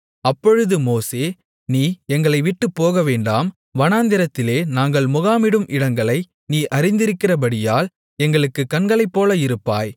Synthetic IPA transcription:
ɐpːɔɻɯðɯmoːseː | niːɛŋɡɐɭɐɪʋɪʈːɯpːoːɣɐʋeːɳɖaːm | ʋɐnaːnd̪ɪɾɐt̪ːɪleːnaːŋɡɐɭmʊɣaːmɪɽɯmʔɪɽɐŋɡɐɭɐɪ | niːʔɐɾɪnd̪ɪɾɯkːɪrɐpɐɽɪjaːl | ɛŋɡɐɭɯkːɯkːɐnɡɐɭɐɪpːoːlɐɪɾɯpːa̰ːj

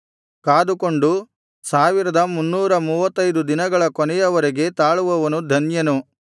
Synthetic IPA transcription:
kaːd̪ukoɳɖu | saːʋiɾɐd̪ɐmunːuːɾɐmuːʋɐt̪ːɐjd̪ud̪inɐɡɐɭɐkɔnɛjɐʋɐɾeɡe̞t̪aːɭuʋɐʋɐnud̪ʱɐnjɐnu

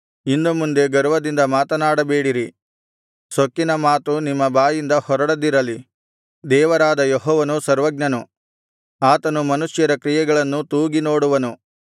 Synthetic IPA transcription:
inːumund̪e̞ɡɐɾuʋɐd̪ind̪ɐmaːt̪ɐnaːɽɐbeːɽiɾi | sokːinɐmaːt̪unimːɐbaːjind̪ɐhɔɾɐɽɐd̪iɾɐli | d̪ɛːʋɐɾaːd̪ɐjeɦɔːʋɐnusɐɾʋɐɡ̚ɲɐnu | aːt̪ɐnumɐnuʂjɐɾɐkɾijɛɡɐɭɐnːut̪uːɡino̞ːɽuʋɐnu

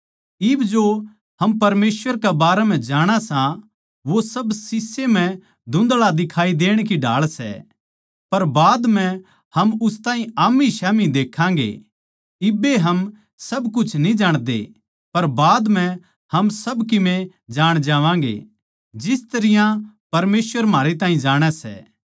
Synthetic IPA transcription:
ɪbd͡ʒo | ɦɐmpɐɾmeːsʋəɾkɛbaːɾɛmɛ̃d͡ʒaːɽ̃asã | ʋosɐbsɪsːem̤ɛ̃ | d̪ʱʊ̃nd̪lad̪ɪkʰaːid̪eːɽ̃kiɖa̰ːɭsɛ̰ | pɐɾbaːd̪m̤ɛ̃ | hɐmʊst̪ãːɦĩaːmːiʃɛːmid̪eːkʰãːɡḛ | ɪbeɦɐm | sɐbk̬ʊt͡ʃʰnĩd͡ʒaːɽ̃d̪ḛ | pɐɾbaːd̪m̤ɛ̃ | hɐmsɐbkɪmẽ | d͡ʒaːɽ̃d͡ʒaːʋãːɡḛ | d͡ʒɪst̪ɐɾɪjã | pɐɾmeːsʋəɾm̤aːɾet̪̬ãːɦĩd͡ʒaːɽ̃ɛsɛ̰ː

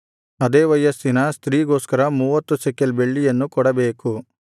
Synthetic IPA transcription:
ɐd̪eːʋɐjːɐsinɐst̪ɾiːɡoːskɐɾɐmuːʋɐt̪ːusɛkːelbeɭːijɐnːukɔɽɐbeːku

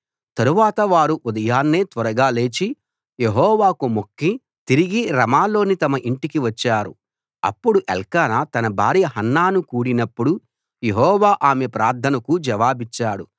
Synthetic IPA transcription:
t̪ɐɾuʋaːt̪ɐʋaːɾuʔud̪ɐjaːnːeːt̪ʋɐɾɐɡaːle̞ːt͡ʃi | je̞ɦɔːʋaːkumokːi | t̪iɾiɡiɾɐmaːlo̞ːnit̪ɐmɐʔiɳʈikiʋɐt͡ʃːaːɾṵ | ɐ̰pːuɽuʔḛlkaːnat̪ɐnɐbʱaːɾjɐɦɐnːaːnukuːɽinɐpːuɽu | je̞ɦɔːʋaːʔaːme̞pɾaːɾt̪ʰːɐnɐkud͡ʒɐʋaːbit͡ʃːaːɽu

